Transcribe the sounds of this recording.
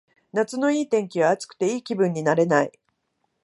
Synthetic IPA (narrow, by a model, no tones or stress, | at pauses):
nat͡sɨno̞iːt̪ẽ̞ŋkʲiβaːt͡sɨ̥kɯ̥t̪e̞iːkʲibɯ̟̃ɲ̟ːinaɾe̞naḭ